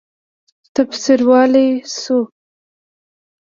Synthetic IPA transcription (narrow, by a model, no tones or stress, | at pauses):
t̪absiɾwɑlesu